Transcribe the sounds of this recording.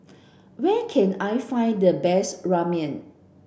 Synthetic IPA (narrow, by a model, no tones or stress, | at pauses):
wɛkʰɛ̃najfãj̃ndəbɛsɹamiə̃n